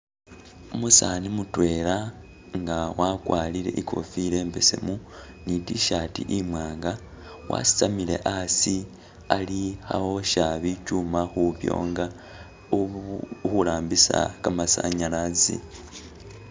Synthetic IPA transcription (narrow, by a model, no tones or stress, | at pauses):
umusanimutwe̞ːla | ŋɡawakwaːliɾe̞̰ʔikʰo̞̰fiɾe̞ːmbe̞se̞̰mu | nitiʃatḭʔimwaːŋɡa | wa̰si̥t͡samile̞̰ʔasi | alixa̰βoʃaβicumaxuβjo̰ːŋɡa | xulaːmbisa̰kamasa̰ɲalazḭ